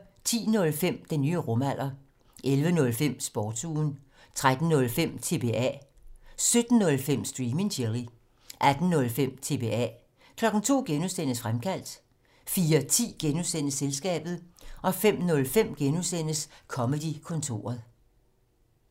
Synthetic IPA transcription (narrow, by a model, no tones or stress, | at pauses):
t͡sʰḭːnɔ̽lfem̰d̥enyːʁɔ̽mæl̰ʔɐ | ʔelʋənɔ̽lfem̰sb̥ɒːd̥suːn | t͡sʰʁad̥n̩ːɔ̽lfem̰t͡sʰe̝b̥e̝ɛ̰ː | sød̥n̩ːɔ̽lfem̰sd̥ʁiːme̝ŋɕʰeʁi | ʔæd̥n̩ːɔ̽lfem̰t͡sʰe̝ːb̥e̝ɛ̰ | kʰlɒ̽ɡ̥n̩t͡sʰo̝̰ːɡ̥enusen̰əsfʁamkʰæl̰d̥ | fiːɐt͡sʰḭːɡ̥enusen̰əselsɡ̥ɛ̰ːb̥ð̞̩ˠʔɒ̽fem̰nɔ̽lfem̰ɡ̥enusen̰əskʰɒ̽məd̥ikʰɔ̽nt͡sʰo̝̰ːɐðˠ